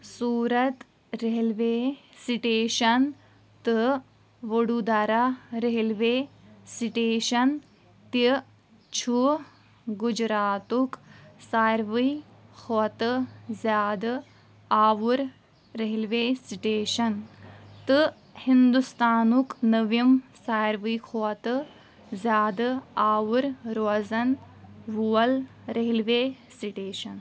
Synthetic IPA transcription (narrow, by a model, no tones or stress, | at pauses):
suːɾɐt̪ | ɾeɦilʋeːsiʈeːʃɐn | t̪ɨ | ʋoɽud̪aɾaɾeɦilʋeːsiʈeːʃɐn | t̪i | t͡ʃʰu | ɡud͡ʒɾaːt̪uksaɾʋihot̪ɨzjaːd̪ɨ | aːʋuɾ | ɾeɦilʋeːsiʈeːʃɐnt̪ɨ | hind̪ust̪aːnuknɐʋjimsaːɾʋijkʰoːt̪ɨ | zjaːd̪ɨaːʋuɾɾoːzɐn | ʋuɐl | ɾeɦilʋeː | siʈeːʃɐn